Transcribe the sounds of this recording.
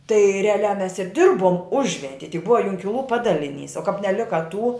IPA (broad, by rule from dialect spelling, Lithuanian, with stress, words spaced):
tɐɪ rʲɛɐˈlʲæː mʲɛs ɪr ˈdʲɪrboːm ˈʊʒʲʋʲɛnʲtʲiɛ tʲɪk ˈbʊʋɐ ˈjʊŋʲkʲɪlˠuː ˈpɑːdɐlʲɪˌnʲiːs oː kɐp nʲɛˈlʲɪkɐ tuː